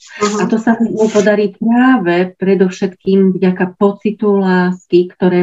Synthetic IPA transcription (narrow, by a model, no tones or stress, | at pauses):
ʔat̪ɔsamimupɔd̪aɾiːpɾaːʋɛpɾɛd̪ɔfʃɛt̪kiːmvɟakapɔt͡sit̪ulaːskikt̪ɔɾɛː